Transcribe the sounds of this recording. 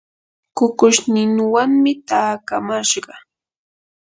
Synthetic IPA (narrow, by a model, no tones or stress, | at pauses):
kʊkʊʃnɪnwaŋmɪt̪aːkamaʃɢɑ